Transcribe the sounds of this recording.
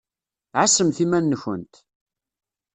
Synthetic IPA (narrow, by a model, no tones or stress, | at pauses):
ʕasəmθimænːəçə̰nt̪